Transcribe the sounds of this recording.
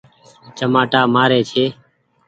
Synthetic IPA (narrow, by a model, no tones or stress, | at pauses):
t͡ʃəmaːʈaːmaːɾeːt͡ʃʰeː